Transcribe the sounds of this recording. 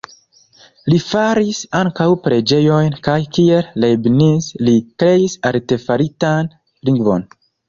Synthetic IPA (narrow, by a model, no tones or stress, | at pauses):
lifaɾisaŋkawpɾe̞d͡ʒe̞jo̞jnkajkiellebnislikɾe̞isalte̞faɾitan | liŋɡvo̞̰n